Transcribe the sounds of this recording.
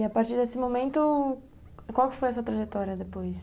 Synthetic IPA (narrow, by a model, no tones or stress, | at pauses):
apaɾt̪iɾd̪esɪmomẽnt̪ʊ | kwawkɪ̥fojɐsuɐt̪ɾaʒet̪ɔɾiɐd̪epojs